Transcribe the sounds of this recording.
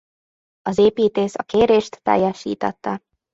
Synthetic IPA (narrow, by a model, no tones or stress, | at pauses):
ɒzeːpiːt̪eːsɒkeːɾeːʃt̪ːɛ̰jːɛʃḭːt̪ɛt̪ːɒ